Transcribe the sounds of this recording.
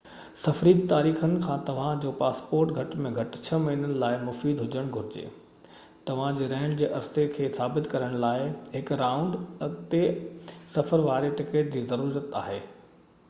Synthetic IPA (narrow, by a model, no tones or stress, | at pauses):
sɐfɾiːd̪̚t̪aːɾiːxənɪ̆kʰãːt̪ɐʋ̤ãd͡ʑoːpaːspoːɾʈɡʱɐʈmẽɡʱɐʈt͡ɕʰɐmɐɦiːnənɪ̆laːɪmʊfiːd̪ɦʊd͡ʑəɽ̃ɡʱʊɾɪd͡ʑḛː | t̪ɐʋ̤ãd͡ʑeːɾɛ̃ːɳɖd͡ʑeːʔɐɾsekʰeːsaːbɪt̪kɐɾəɽ̃laːɪɦɪkɾaːʊ̃ɳɖɐt̪esɐfəɾʋaːɾeʈɪkeːʈ̚d͡ʑiːzɐɾuːɾət̪a̰ːɦeː